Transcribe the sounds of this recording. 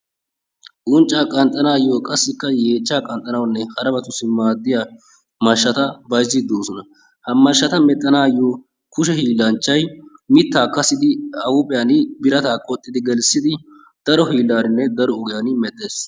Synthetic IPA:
ʔʊnt͡ʃʼːaːkʼɐnt̪ʼːɐnaːjːoːkʼɐsːɪkːɐje̞ːt͡ʃːaːkʼɐnt̪ʼːɐnɐwnːɛhɐɾɐbɐt̪ʊsɪmaːd̪ːɪja | mɐʃːɐt̪ɐbɐjzɪd̪oːsɔnɐ | hɐmɐʃːɐt̪ɐmɛt̪ʼːɐnaːjːoː | kʊʃɛhiːlːɐnt͡ʃːɐjmɪt̪ːaːkɐsːɪd̪ɪɐwʊpʼɪjanɪbɪɾɐt̪aːkʼɔt̪ʼːɪd̪ɪɡɛlsɪd̪ɪ | d̪̥ɐɾɔɦiːlːaːnɪnːɛd̪ɐɾɔʊɡɪjaːnɪmɛt̪ʼːe̞ːs

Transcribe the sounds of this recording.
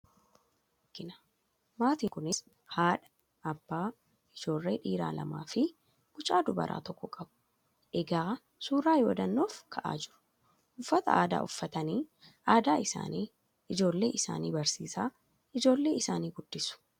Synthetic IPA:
kːɪnɐ̥ | maːt̪iːŋkʊnɪs | haːᶑɐ̥ | ʔɐbːaː | ɪd͡ʒo̞ːlːeːᶑiːɾa̰ːlɐ̰ma̰ːfɪ | kʊt͡ʃʼaːd̪ʊbɐ̰ɾʔa̰ːt̪ɔkːɔkʼɐbʊ̥ | ʔɛɡaː | suːɾaːjoːd̪ɐnːoːfkʰɐʔa̰ːd͡ʒɪɾʊ̥ | ʔʊfːɐt̪ɐ̰ʔaːd̪a̰ːʔʊfːɐt̪ɐniːʔaːd̪aːɪsa̰ːniː | ʔɪd͡ʒo̞ːlːe̞̰ːʔɪsa̰ːniːbɐɾsiːsaː | ɪd͡ʒo̞ːlːe̞ːɪsaːniːɡʊd̪ːɪsʊ̥

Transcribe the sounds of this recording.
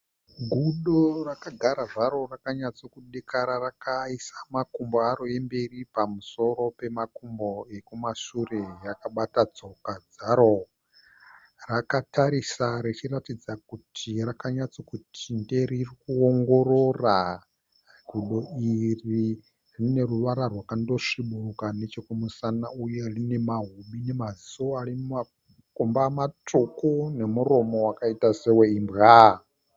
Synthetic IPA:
ɡʱuɗorakaɡʱaɾaʐaɾo̞rakaɲat͡so̞kuɗekʰaɾarakaisamakumboaɾoe̞mbe̞ripamuso̞ɾo̞pe̞makumbo̞ekumaʃure̞jakaɓatad͡zo̞kad͡zaɾo̞ | rakataɾisaɾet͡ʃiratid͡zak̚utʰirakaɲat͡sokutʰinde̞ririkuoŋɡo̞rora | ɡʱuɗo̞iri | rine̞ruʋaɾarwakando̞ʂiɓurukane̞t͡ʃokomusanauje̞rine̞maɦumine̞mazisoarimma | kumbamatukune̞muro̞mo̞wakaitaseweimbɣa

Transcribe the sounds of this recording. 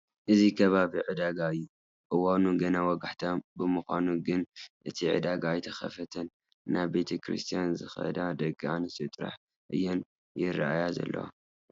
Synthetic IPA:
ʔɨzikʰɐβaβiʕɨd̪aɡaɨjːu | ʔɨwanuɡɐnawɔɡaħt̪ʰombɨmɨxʷa̰nuɡɨnʔɨt̪ʰiʕɨ̰d̪aɡaːjt̪ʰɐxɐ̰fɐt̪ʰɐnː | ʔaβbe̞t̪ʰekʰɾḭst̪ʰijanzɨxɐ̰d̪ad̪ɐɡanɨst̪ʰɨt̪ʼɾa̰ħ | ʔɨ̰jːon | jɪraajazɐ̰lːɐ̰wa̰

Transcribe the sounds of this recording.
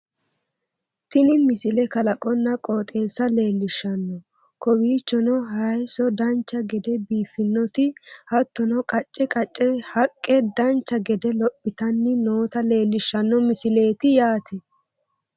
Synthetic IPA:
t̪ɪnɪmɪsɪlɛkɐlɐkʼɔnːɐkʼɔːt̪ʼe̞ːsɐle̞ːlːɪʃːɐnːɔ | kɔbiːt͡ʃːɔnɔhɐjsɔd̪ɐnt͡ʃːɐɡɛd̪ɛbiːfːɪnːɔt̪ɪhɐt̪ːɔnɔkʼɐt͡ʃʼːɛkʼɐt͡ʃʼːɛhɐkʼːɛd̪ɐnt͡ʃːɐɡɛd̪ɛlɔpʼːɪt̪ɐnːɪno̞ːt̪ɐle̞ːlːɪʃːɐnːɔmɪsɪle̞ːt̪ɪjaːt̪ɪ

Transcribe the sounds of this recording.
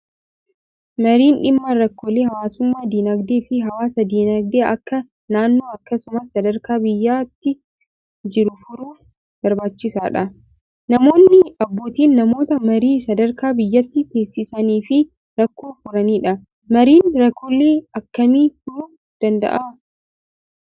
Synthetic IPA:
mɐɾiːnᶑɪmːaɾɐkːoːleːɦɐwaːsʊmːaːd̪iːnɐɡd̪eːfɪɦɐwaːsɐd̪iːnɐɡ̚d̪eːʔɐkːɐ | naːnːo̞ːɐkːɐsʊmɐsːɐd̪ɐɾkaːbɪjːaːt̪ːɪ | d͡ʒɪɾʊfʊɾuː | b̥ɐɾbaːt͡ʃːɪsaːᶑɐ | nɐmo̞ːnːɪɐbːo̞ːt̪iːnːɐmo̞ːt̪ɐmɐɾiːsɐd̪ɐɾkaːbɪjːɐt̪ːɪt̪e̞ːsːɪsɐniːfɪ | ɾɐkːoːfʊɾɐniːᶑɐ | mɐɾiːnɾɐkʰːolːeːɐkːɐmiːfʊɾʊ | d̪̥ɐnd̪ɐ̰ʔaː

